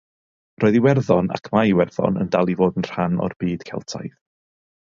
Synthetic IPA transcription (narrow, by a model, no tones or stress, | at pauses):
rʔoːɨðiwɛrðɔna̰kʰmaiwɛrðɔ̰nə̰ndalˠivoːdənr̥hanɔ̰rb̥iːd̥kʰɛ̰lˠtʰa̰jθ